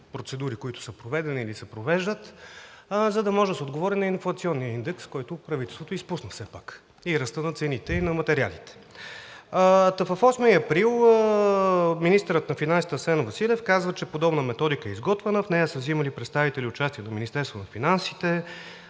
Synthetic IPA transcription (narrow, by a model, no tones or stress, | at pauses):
pɾot̪sɛd̪uɾikoit̪ʊ̥səpɾovɛd̪ɛniːlisɛpɾovɛʒd̪ət̪ | zɐd̪ɐmɔʒɛsod̪ɡovɔɾɛnɐinflˠɐt̪siɔnːijəind̪ɛkskɔjt̪ʊpɾɐvit̪ɛlˠst̪vot̪ʊispusnəfsɛpak | iɾɐst̪ənɐt̪sɛnit̪ɛinɐmɐt̪ɛɾia̰lit̪ɛ̥ | t̪ɐfəfɔsmiɐpɾilˠ | minist̪əɾət̪nɐfinansit̪əsɛnvɐsilʲɛfkazvət͡ʃɛpod̪ɔbnəmɛt̪ɔd̪ikəɛizɡɔt̪vənəfnɛjəsəvziməlipɾɛt̪st̪avit̪ɛliʊt͡ʃast̪iɛnɐminist̪ɛɾst̪vonɐfinansit̪ɛ